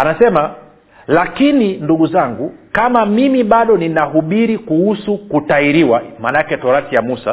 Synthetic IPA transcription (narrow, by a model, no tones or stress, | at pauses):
anasɛma | lakininduɡuzaŋɡukamamimiɓaɗɔninaɦuɓiɾikuhusukutaiɾiwamanakɛtɔɾatijamusa̰